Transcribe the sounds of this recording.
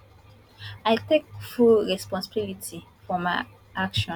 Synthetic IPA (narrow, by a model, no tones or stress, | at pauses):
aɪtek̚fulɹɛspɔ̃nsabilitʰifɔma | akʃɔ̃